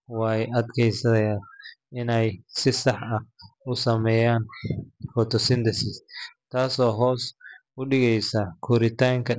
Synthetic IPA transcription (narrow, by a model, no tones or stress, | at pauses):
wɑːjʔɐd̪kʰɛjsɐɐjaːʔɪnɛjsɪsɑħɐhʊsɐmɛːjaːnfɔt̪ʰɔsɪnd̪ɛsɪst̪ʰaːsɔːɦɔːs | ʊɗɪɣɛjsɐkʰɔɾɪt̪ʰaːŋkʰɐ